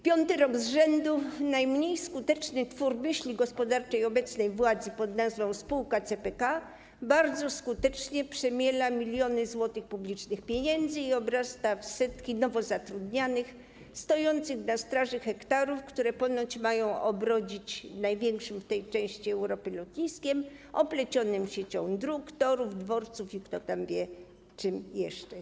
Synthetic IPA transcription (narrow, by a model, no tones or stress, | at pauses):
pʲjɔnt̪ɘɾɔɡzʐɛnd̪unajmɲejskut̪ɛt͡ʂnɘt̪fuɾmɘɕlʲiɡɔspɔd̪aɾt͡ʂɛjɔbɛt̪snɛjvwad̪zɘpɔd̪nazvɔ̃w̃spuwkat̪sɛpɛka | baɾd̪zɔskut̪ɛt͡ʂɲɛpʂɛmʲjɛlamʲilʲjɔnɘzwɔt̪ɘxpublʲit͡ʂnɘxpʲjeɲɛnd̪zɘiɔbɾast̪afsɛt̪kʲinɔvɔzat̪ɾud̪ɲanɘx | st̪ɔjɔnt̪sɘɣnast̪ɾaʐɘxɛkt̪aɾufkt̪uɾɛpɔnɔt͡ɕmajɔ̃w̃ʔɔbɾɔd͡ʑit͡ɕnajvʲjɛŋkʂɘmft̪ɛjt͡ʂɛ̃w̃ɕt͡ɕiɛwɾɔpɘlɔt̪ɲiskʲɛmʔɔplɛt͡ɕɔnɘmɕɛt͡ɕɔ̰̃w̃d̪ɾukt̪ɔɾuvd̪vɔɾt̪sufikt̪ɔt̪amvʲjɛ | t͡ʂɘmjɛʂt͡ʂɛ